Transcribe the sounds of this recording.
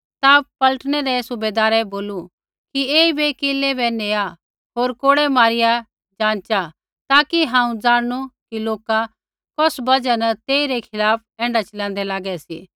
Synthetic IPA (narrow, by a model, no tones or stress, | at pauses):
t̪apɐləʈɽ̃ɛɾɛsʊbeːd̪aːɾɛboːlu | kieːibekeːlɛbɛneːa | ɦoːɾkoːɽɛmaːɾɪja | d͡ʒãːnt͡ʃa | t̪aːkiɦãːũd͡zaːɽɽ̃ukiloːka | kɔsbɐd͡ʒanɐt̪eːiɾɛkʰɪlaːp̚ʰɛ̃ːɳɖat͡ʃɐlãːnd̪ɛlaːɡɛsḭ